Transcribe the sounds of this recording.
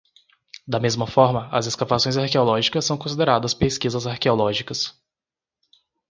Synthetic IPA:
d̪ɐmezmɐfɔɾmɐɐ̰zeskavasõj̃zaɾkeolɔʒikɐsːɐ̃w̃kõs̬id̪eɾad̪ɐspeskizɐzaɾkeolɔʒikɐs

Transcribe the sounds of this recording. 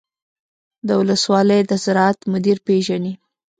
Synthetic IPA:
d̪əwʊləswɑləjd̪əzɪɾɑat̪mʊd̪iɾpeʒani

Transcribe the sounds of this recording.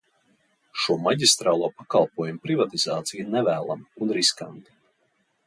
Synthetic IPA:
ʃuɔmaɟʲist̪ɾaːlˠuɔpakalˠpuɔjumpɾivat̪izaːt̪sijnɛvæːlˠa̰munɾiska̰nt̪i̥

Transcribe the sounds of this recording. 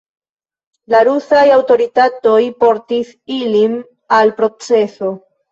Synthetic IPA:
laɾusajawto̞ɾitato̞jpo̞ɾtis | ilim | alpɾo̞t͡se̞so̞

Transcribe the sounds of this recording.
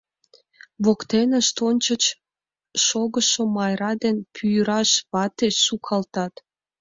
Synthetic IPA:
βokt̪enəʃt̪onʲt͡ɕət͡ɕ | ʃoɣəʃomɑjɾɑd̪enpʰyjɾɑʃβɑt̪esukʰɑlt̪ɑt̪

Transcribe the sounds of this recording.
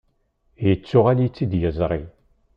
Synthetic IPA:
jət͡sːʊʁaljt͡sːid̪jəzˤɾˤi

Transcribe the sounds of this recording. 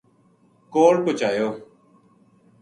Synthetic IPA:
koːɽkot͡ʃaːjoː

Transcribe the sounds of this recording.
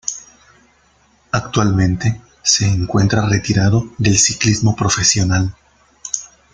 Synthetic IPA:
akt̪walmẽ̞nt̪e̞ | se̞ːŋkwe̞nt̪ɾare̞t̪iɾaðo̞ðe̞lsiklizmo̞pɾo̞fe̞sjo̞nal

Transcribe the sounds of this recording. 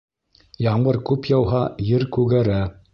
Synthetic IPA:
jɑɴbɤɾkʉpjɑwɦɑjɘɾkʉɡæɾæ

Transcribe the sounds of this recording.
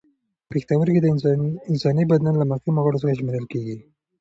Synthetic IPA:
pext̪awəɾked̪əɪnsɑnibad̪nanlamaximoɣəɽosəxaʒmeɾəlkeɡi

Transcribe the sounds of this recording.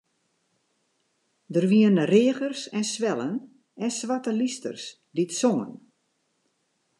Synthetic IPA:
dərʋiənreəɣərsɛnsʋɛlˠən | ɛnsʋatəlistə̰rs | ditsoŋə̰n

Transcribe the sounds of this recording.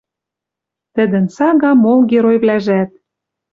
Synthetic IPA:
t̪ə̆d̪ə̆nsɑɣɑmolɡʲeɾojβlæʒæt̪̚

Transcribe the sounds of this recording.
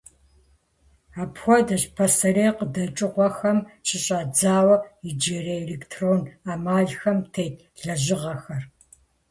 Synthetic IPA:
aːpxʷɔdɐɕpʰɐsɐreːqədɐt͡ʃʼɨqʷɔxɐmɕʰɪɕʼaːd͡zaːwɐid͡ʒereelektʰroːnaːmaːɮxɐmtʰejt | ɮɐʑɪʁɐxɐr

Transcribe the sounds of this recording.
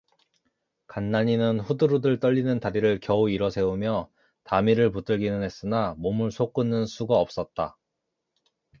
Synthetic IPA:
kanːaɲinɯnɸudɯɾudɯɭt͈ʌʎːinɯntaɾiɾɯɭkjʌuiɾʌsʰe̞umjʌ | tamiɾɯɭput͈ɯɭɡinɯnɦe̞s͈ɯnamomɯɭsʰok͈ɯnːɯnsʰuɡaʌp̚s͈ʌt̚t͈a

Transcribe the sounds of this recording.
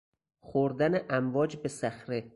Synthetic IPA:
xoɾd̪æneʔæmvɒːd͡ʒbe̞sæxɾe

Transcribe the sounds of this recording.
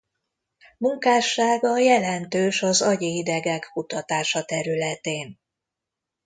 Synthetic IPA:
muŋkaːʃaːɡɒjɛlɛnt̪øːʃɒzɒɟɒid̪ɛɡɛkkut̪ɒt̪aːʃɒt̪ɛɾylɛt̪eːn

